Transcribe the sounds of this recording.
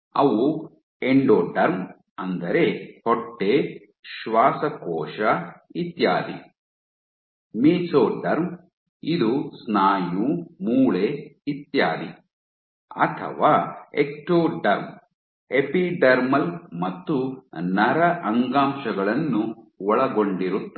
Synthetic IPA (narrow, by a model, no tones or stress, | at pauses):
ɐʋu | eɳɖoːɖɐɾm | ɐnd̪ɐɾe̞hoʈːe | ʃʋaːsɐkɔːʂɐit̪ja̰ːd̪ḭ | miːt͡ʃoːɖɐɾm | id̪usnaːjumuːɭeit̪jaːd̪ḭ | ɐ̰t̪ʰɐ̰ʋaːekʈoːɖɐɾm | epiɖɐɾmɐlmɐt̪ːunɐɾɐʔɐŋɡaːmʃɐɡɐɭɐnːuʋɔɭɐɡo̞ɳɖiɾut̪ː